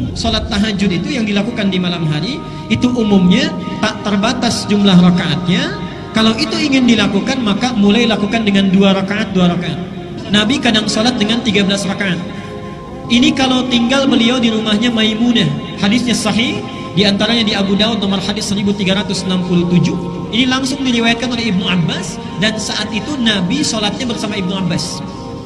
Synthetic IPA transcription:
solat̪ːaɦad͡ʒʊt̪it̪ujaŋdilakukandimalamɦaɾiː | t̪uʔumumɲat̪aʔt̪ərbat̪asd͡ʒumlahrakaʔat̪̚ɲa | kalawit̪uiŋɪndilakukanmakamulajlakukandəŋanduaɾakaʔat̪̚duaɾakaʔat̪̚ | nabikadaŋsolat̪̚dəŋant̪iɡabəlasrakaʔat̪̚ | inikalawt̪iŋɡalbəliawdiɾumahɲamajmunahadisɲasɑɦih | diant̪aɾaɲadiabudaut̪̚nomarhadɪsːəɾibut̪iɡaɾat̪ʊsnampuluht̪ud͡ʒuh | inilaŋsʊŋdiɾiwajat̪̚kanolɛhibnuabːas | dansaʔat̪it̪unabisolat̪̚ɲabərsamaib̚nuabːas

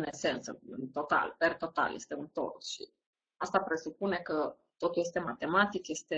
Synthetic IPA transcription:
nese̞nsə̰ɨnt̪o̞t̪a̰lpert̪o̞t̪a̰ljest̪e̞unt̪o̞̰rsʃḭ | ast̪apɾe̞supune̞kə | t̪o̞t̪ulje̞st̪e̞mat̪e̞mat̪ikje̞st̪e̞

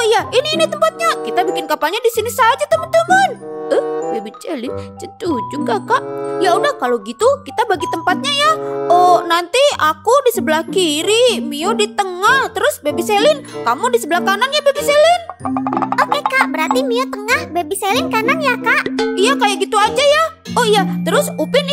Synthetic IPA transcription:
ojainiːnit̪əmpat̪̚ɲakit̪abikɪnkapalɲadisinisad͡ʒat̪uhbət̪ulmanəhbebit͡ʃelɪnt͡ʃətud͡ʒuɡakaʔjaudahkaloɡit̪ukit̪abaɡit̪əmpat̪̚ɲajaʔonant̪iakudisəbəlahkiɾimiɔdit̪əŋaht̪əɾʊsbebiselɪnkamʊdisəbəlahkananjabebiselɪnʔokekaʔbəɾart̪imiɔt̪əŋahbebiselɪnkananjakaʔjakajaʔɡit̪uad͡ʒaja | ʔɔhjat̪əɾʊsupɪn

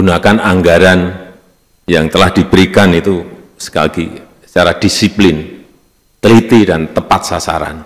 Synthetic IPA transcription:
unakanaŋɡaɾan | jaŋt̪əlahdibəɾikanit̪u | sə̥ka̰ɡi | sə̥t͡ʃaɾahd̥isiplɪn | t̪əlit̪idant̪əpat̪̚sasa̰ɾa̰n

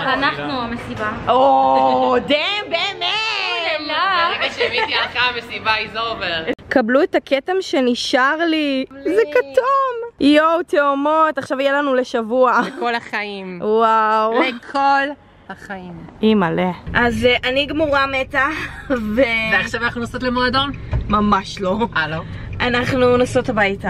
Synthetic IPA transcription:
anaχnuamesibao | d̪ebemeelaimaʃevit̪ialχamesibaizoveʁkabluetakʰetemʃeniʃaʁlizekat̪umjowt̪eomotaχʃavijelanuleʃavuaekolaχaimwawlekʰol | haχaimimaleʔazʔaniɡmoʁametaveveaχʃavanaχnunasotlemoado̞nmamaʃlo̞alo | ʔanaχnunasotabajta

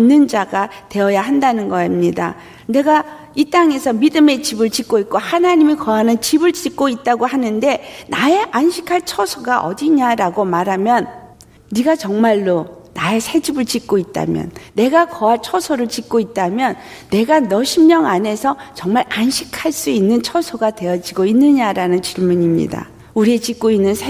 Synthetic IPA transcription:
inːɯnd͡ʑaɡate̞ʌjaɦandanɯnɡʌamɲida̰ | ne̞ɡa | it͈aŋe̞sʰʌmidɯme̞t͡ɕibɯɭt͡ɕik̚k͈oik̚k͈ohanaɲimikʌanɯnt͡ɕibɯɭt͡ɕik̚k͈oit̚t͈aɡohanɯnde̞nae̞ʔanɕʰi̥kʰaɭt͡ɕʰʌsʰoɡaʔʌ̰diɲaɾaɡomaɾɦamjʌnː | iɡat͡ɕʌŋmaɭːonae̞sʰad͡ʑibɯɭt͡ɕik̚k͈oit̚t͈a̰mjʌ̰nːe̞ɡakʌat͡ɕʰʌsʰoɾɯɭt͡ɕik̚k͈oit̚t͈amjʌnː | e̞ɡanʌɕʰimɲʌŋane̞sʰʌt͡ɕʌŋmaɾanɕʰi̥kʰaɭs͈uinːɯnt͡ɕʰʌsʰoɡatwe̞jʌd͡ʑiɡoinːɯɲaɾanɯnt͡ɕiɭmuɲimɲḭda̰ | uɾiet͡ɕik͈̚oinːɯnsʰ

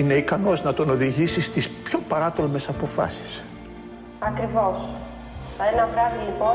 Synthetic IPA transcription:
ine̞ikɐno̞znɐt̪o̞no̞ðiʝisist̪ispço̞pɐɾɐt̪olme̞sɐpo̞fɐ̰si̥s | ɐkɾivo̞s | enɐvɾɐðiːpo

